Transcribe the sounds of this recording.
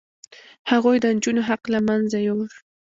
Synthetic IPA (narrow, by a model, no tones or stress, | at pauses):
hɑʁojd̪ant͡ʃʊnoɦɑqlamanzajowɾ